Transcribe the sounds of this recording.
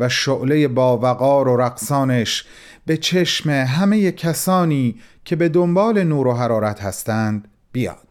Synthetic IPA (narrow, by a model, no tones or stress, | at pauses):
væʃoʔle̞je̞bɒːvæɣɒːɾo̞ɾæɣsɒːneʃ | b̥e̞t͡ʃʰe̞ʃme̞ɦæme̞je̞cʰæsɒːniːcʰe̞be̞d̪o̞mbɒːle̞nuːɾoɦæɾɒːɾæt̪ʰhæst̪ænd̪̥ | bijɒ̰ːd̪̥